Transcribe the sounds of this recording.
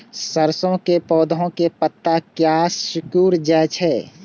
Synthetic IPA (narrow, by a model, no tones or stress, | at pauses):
səɾsõkepɔːd̪ʱõkepət̪ːakjasʊkuːɾd͡ʒaːt͡ʃʰɛ